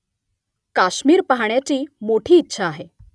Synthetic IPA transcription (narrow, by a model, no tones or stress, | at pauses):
kaɕmiːɾpaɦaɳjat͡ɕiːmoʈʰiːtːɕʰaːɦe